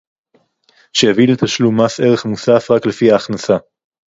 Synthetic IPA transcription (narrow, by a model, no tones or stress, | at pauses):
ʃejavilet̪aʃlumasʔe̞ʁeχmusafʁakle̞fiaːχnasa